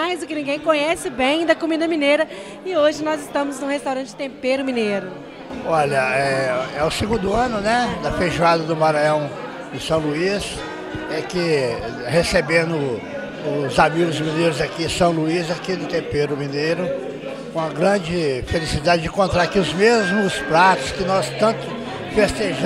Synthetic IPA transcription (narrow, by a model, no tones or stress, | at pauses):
majzʊkɪnĩŋɡẽj̃kõɲɛsɪbẽj̃d̪ɐkomĩd̪ɐmĩnejɾɐ | ɪoʒɪnɔzɪst̪ɐ̃mʊznʊ̃hest̪awɾɐ̃t͡ʃɪ̥t̪ẽmpejɾʊmĩnejɾʊ | ɔʎɐɛɛɛʊsiɡũnd̪ʊɐ̃nʊnɛd̪ɐfeʒuad̪ɐd̪ʊmaɾajɐ̃w̃ | ẽsɐ̃w̃luis | ɛkɪ | hesebẽnd̪ʊ | ʊzamiɡʊzmĩneɾʊzakiẽsɐ̃w̃luizakid̪ʊt̪ẽpeɾʊmĩnejɾʊ | kõɐɡɾɐ̃d͡ʒɪfelisid̪ad͡ʒɪd͡ʒɪ̃kõnt̪ɾaɾkiʊzmezmʊspɾat̪ʊ̥skɪnɔst̪ɐ̃nt̪ʊ | fest̪eʒ